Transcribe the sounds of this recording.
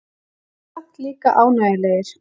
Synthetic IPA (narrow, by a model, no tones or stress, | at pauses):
ht̪liːka̰ʔaːwnaːjɪlɛːjɪɾ̥